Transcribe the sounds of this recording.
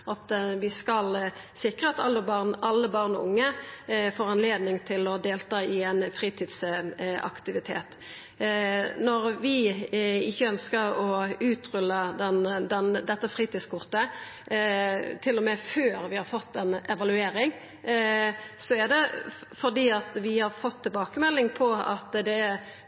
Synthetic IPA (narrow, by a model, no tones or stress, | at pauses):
ʔɑt̪ʋɪskɑlsɪkʁəɑt̪ɑlːəbɑʁnɑlːəbɑʁnɔʊ̰ŋːəfoːʁɑnleːd̪nɪŋt̪ʰɪlɔd̪eːlt̪ɑːɪɛnfɾiːt̪ʰiːd̪sɑ̰kt̪ɪʋɪt̪ʰḛːt̪ | nɔʁʋɪ | ɪçːəœnskəʁɔʉːt̪ʁʉlːəd̪ɛnd̪ɛnd̪ɛt̪ːəfʁiːt̪iːd̪skʰʊʁt̪ə | t̪ʰɪlːɔmɛføːɾʋɪhɑɾfɔt̪ːɛnɛʋɑlʉeːɾɪŋ | sɔɛd̪ɛfɔʁd̪iːɑt̪ʋɪhɑɾfɔt̪ʰːɪlbɑːkəmɛlːɪŋpʰɔɑ̰t̪d̪ɛ